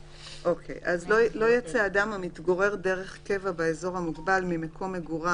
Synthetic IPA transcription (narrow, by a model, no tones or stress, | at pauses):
ʔo̞kʰḛjʔazlolo̞jat͡seadamamit̪ɡo̞ʁe̞ʁde̞ʁe̞χke̞vabaezo̞ʁhamuɡbalmimekʰo̞mːeɡuʁa